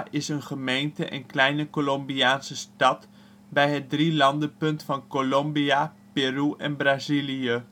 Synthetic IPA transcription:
ʔɪsənχəmejntəʔɛ̰nklɛjnəkolɔmbiaːnsəstɑt | bɛjɦət̚drilɑndəpɵntfɑnkolɔmbia | peruʔɛnbraziliə

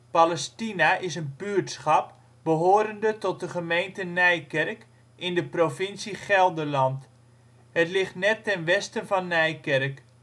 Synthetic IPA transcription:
palɛstinaʔɪsənbyːɹtsχɑp̚ | b̥əɦoːɾəndətɔt̚dəχəmejntənɛjkɛrk | ɪndəprofɪnsiχɛlˠdəlɑnt | hətlɪχtnɛtːɛnʋɛstənvɑnːɛjkɛrk

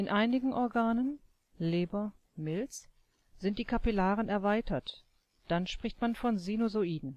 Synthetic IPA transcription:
ʔɪnʔaɪnɪɡŋ̩ʔɔɐɡaːnən | leːbɐ | mɪlt͡s | z̥ɪnt̚d̥iːkʰapilaːʁənɛɐvaɪtʰɐt | d̥anʃpʁ̥ɪçtmanfɔnzinozoiːdn̩

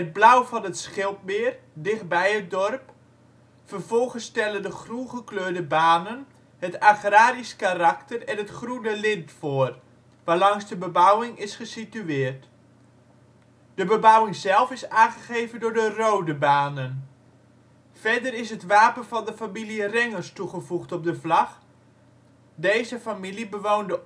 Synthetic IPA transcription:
əd̚blawvɑnətsχɪlˠp̚mɪːrdɪχt̚bɛjət̚dɔrp | fərvɔlˠχənstɛləndəχrunχəkløːɹdəbaːnən | ɦətaχraːɾiskarɑktərɛnətχrunəlɪntfʊːər | ʋaːlɑŋsdəbəbawɪŋɪsχəsityɪːrt | d̥əbəbawɪŋzɛlˠfɪsaːχəɣejvəndʊːɹdərowdəbaːnən | fɛdəɾɪsɦətʋaːpənvɑndəfamilirɛŋərstuχəvuχtɔp̚dəvlɑχ | dejzəfamilibəʋoːndə

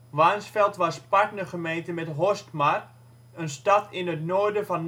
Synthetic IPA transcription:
ʋansfɛlˠtʋaspaknəχəmeːntəmɛtɦostmar | ənstatʰɪnətnoːrdəfɔn

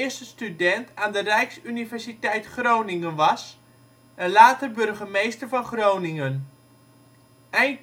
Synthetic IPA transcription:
əstəstydɛntʰaːndərɛjksynivɛɹsitɛjtχrownɪŋənʋɑs | ənlaːtəbɵrɣəmejstərvɑnχrownɪŋən | ɛjn

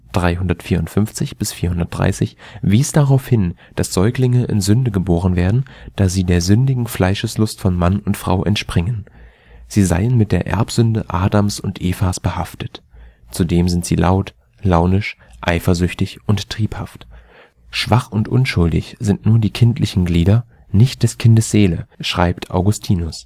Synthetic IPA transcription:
d̥ʁaɪɦʊndɐtfiːɐʊntfʏmft͡sɪçb̥ɪsfiːɐhʊndɐt̚d̥ʁa̰ɪsɪçviːsd̥aʁaʊfhɪn | d̥asz̥ɔʏklɪŋəʔɪ̰nzʏndəɡəboːʁənveːɐdn̩d̥aːz̥iːdeːɐzʏndɪɡŋ̩flaɪʃəslʊstfɔnmanʊntfʁ̥a̰ʊʔɛ̰ntʃpʁ̥ɪŋən | z̥iːza̰ɪənmɪt̚d̥eːɐʔɛ̰ɐpz̥ʏndəʔaːdamsʊntʔeːfasb̥əhaftət | t͡sudeːmzɪntz̥iːlʔaʊt | laʊnɪʃ | ʔa̰ɪfɐzʏçtɪçʔʊntʁ̥iːphaft | ʃv̥aχʊntʔʊ̰nʃʊldɪ̰çz̥ɪntnuːɐdiːkʰɪntʰlɪçn̩ɡliːdɐ | nɪçt̚d̥ɛskʰɪndəsz̥eːləʃʁ̥aɪptʰʔa̰ʊɡʊstʰiːnʊs

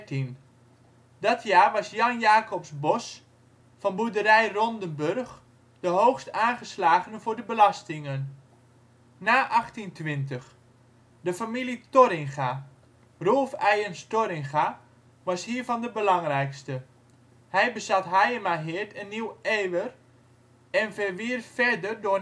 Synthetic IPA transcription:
tin | dɑtʰjaːrʋɑsjɑnjaːkɔpsbɔs | fɑnbudəɾɛjrɔndənbørχ | d̥əɦowxstaːnχəslaːχənəvʊːɹdəbəlɑstɪŋən | naːʔɑχtintʋɪntəχ | dəfamilitoɾɪŋχa | rolˠfɛjənstoɾɪŋχa | ʋɑshiːɹvɑndəbəlɑŋrɛjkstə | hɛjbəzɑtɦajəmaɦɪrtənːiweːʋər | ɛnvərʋiːrtfɛrdərdʊː

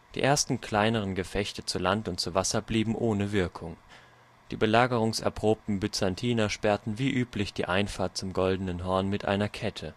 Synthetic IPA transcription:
d̥ḭːʔeːɐstn̩kʰl̥aɪnəʁ̞ənɡəfɛçtət͡sulantʊnt̚t͡suvasɐbliːbm̩ʔoːnəvɪɐkʰʊŋ | d̥iːbəlaːɡəʁ̞ʊŋsɛ̰ɐpʁ̥oːp̚tn̩bʏt͡santʰiːnɐʃpɛɐtn̩viːʔyːplɪçd̥ḭːʔaɪnfaːɐt̚t͡sʊmɡɔldənənɦɔɐnmɪtʔa̰ɪnɐkʰɛtʰə

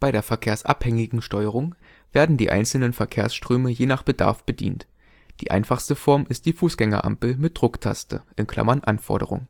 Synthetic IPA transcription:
b̥aɪɾeːɐfɛɐkʰeːɐsʔa̰phɛŋɪɡŋ̩ʃtɔʏəʁ̞ʊŋ | v̥eːɐdn̩diːʔa̰ɪnsl̩nənfɛɐkʰeːɐsʃtʁ̥øːməjeːnaːχb̥əda̰ɐfb̥ədḭːnt | d̥iːʔa̰ɪnfaχstəfɔɐmɪst̚d̥iːfuːsɡ̥ɛŋɐ̰ʔa̰mpl̩mɪt̚d̥ʁʊktʰa̰stə̰ʔɪnkʰl̥a̰mɐnʔanfɔ̰ɐɾə̰ʁʊ̰ŋ

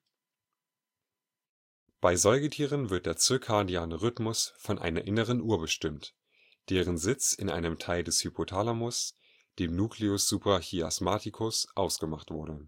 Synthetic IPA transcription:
b̥aɪzɔʏɡətʰiːʁ̞ənvɪɐt̚d̥eːɐt͡søːkʰaɐdiaːnəʁʏtmʊsfɔnʔa̰ɪnɐʔɪnəʁənʔuːɐbəʃtɪmt | d̥eːʁənzɪt͡sɪnʔa̰ɪnəmtʰaɪldɛshypʰotʰaːlamʊs | d̥eːmnuːkliʊsz̥uːpʁ̥açiasmaːtikʰʊsʔaʊsɡ̥əmaχtv̥ʊɐɾə

